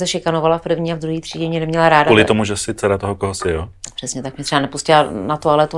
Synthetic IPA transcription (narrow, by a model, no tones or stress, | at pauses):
sɛʃɪkanovalafpɾ̩vɲiːavd̪ɾuɦiːt̪r̝̥iːɟɛmɲɛnɛmɲɛlaɾaːdalɪt̪omuʒɛsɪtt͡sɛɾat̪oɦokoɦosɪjoːpr̥ɛsɲɛt̪ak̚mɲɛt̪r̥ɛbanɛpuscɪlanat̪ualɛt̪u